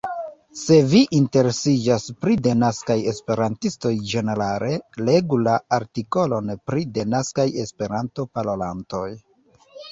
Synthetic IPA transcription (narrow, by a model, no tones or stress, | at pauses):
se̞viʔinte̞ɾe̞sid͡ʒaspɾide̞naskaje̞spe̞ɾantisto̞jd͡ʒe̞ne̞ɾale̞le̞ɡulaaɾtiko̞lo̞npɾide̞naskaje̞spe̞ɾanto̞palolanto̞j